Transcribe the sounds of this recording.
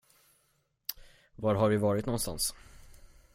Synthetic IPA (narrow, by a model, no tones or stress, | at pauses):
vaːɾɦaɾvɪvɑːɾɪt̪nɔnst̪a̰ns